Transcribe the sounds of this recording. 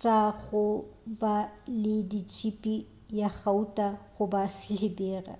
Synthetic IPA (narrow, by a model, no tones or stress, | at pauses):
t͡ʃʼaɣʊbalɪdit͡ʃʰʼipʼi | jaχautʼaɣʊbasɪlɪbeːra̰